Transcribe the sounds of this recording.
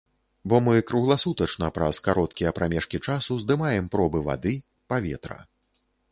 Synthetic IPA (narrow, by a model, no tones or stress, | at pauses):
bɔmɨkɾuɣlˠasut̪ɐt͡ʂnɐpɾɐskaɾɔt̪̚kʲijɐpɾʔamʲɛʂkʲit͡ʂasuzd̪ɨmajɛmpɾɔbɨva̰d̪ɨ | pavʲɛ̰t̪ɾɐ̰